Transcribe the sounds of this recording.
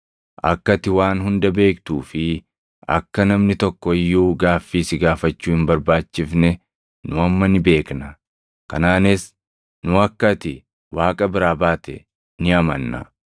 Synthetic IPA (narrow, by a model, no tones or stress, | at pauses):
ʔɐ̰kːɐt̪ɪwaːnɦʊnd̪ɐbe̞ːkt̪uːfɪ | ɐ̰kːɐnɐmnɪt̪ɔkːɔɪjːuːɡaːfːiːsɪɡaːfɐt͡ʃːuːhɪnbɐɾbaːt͡ʃːɪfnɛ | nʊɐmːɐnɪbe̞ːknɐ | kɐnaːnɪs | nʊɐkːɐt̪ɪ | waːkʼɐbɪɾaːbaːt̪ɛ̰ | nɪɐmɐnːɐ̰